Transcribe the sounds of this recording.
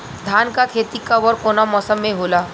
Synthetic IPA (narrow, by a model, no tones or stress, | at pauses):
d̪ʱaːnkakʰeːt̪ikabɔɾkoːnamɔːsəmːẽɦoːlaː